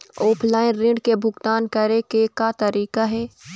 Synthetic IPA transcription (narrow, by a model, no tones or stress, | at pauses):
ɔːpʰlaːɪnɾɪ̃ɳɖkebʱʊɡt̪aːnkɐɾekekat̪ɐɾiːkaɦɛː